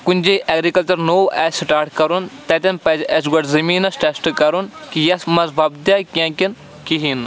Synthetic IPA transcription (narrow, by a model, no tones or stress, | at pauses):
kunʲd͡ʒeʔɛːɡɾikɐlt͡ʃɐɾnoːʔɛsʈaːɾʈkɐɾunt̪ɐt̪ɐnpɐd͡ʒɛs̬ɡɐʈzɐmiːnɐsʈesʈkɐɾunkijɐsmɐzbʱɐb̚d̪jakʲãːkin | kiɦin